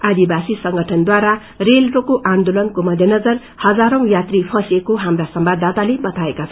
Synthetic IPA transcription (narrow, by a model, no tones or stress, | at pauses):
ad̪ibasisʌŋɡʱʌʈʰʌnd̪waɾa | relʈokoʔand̪olʌnkomʌd̪ʱjʌnʌd͡zʌr | hʌd͡zaɾʌ̃w̃jat̪ripʰʌ̃sekoɦamrasʌmbad̪at̪alebʌt̪ʰaekat͡sʰʌ